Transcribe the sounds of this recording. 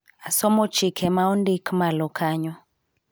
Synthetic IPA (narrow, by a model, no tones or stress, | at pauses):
asɔmɔt͡ʃikʰɛmaundikmalɔkʰaɲɔ